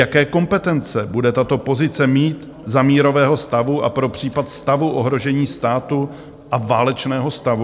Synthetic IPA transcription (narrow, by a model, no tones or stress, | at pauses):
akɛːko̞mpɛt̪ɛnt͡sɛbudɛt̪at̪o̞po̞zɪt͡sɛmiːt̪ | zamiːɾo̞vɛːɦo̞st̪avuʔa̰pɾo̞pr̝̥iːpat̪st̪avuʔoɦɾo̞ʒɛɲiːst̪aːt̪u | ʔavaːlɛt͡ʃnɛːɦo̞st̪avu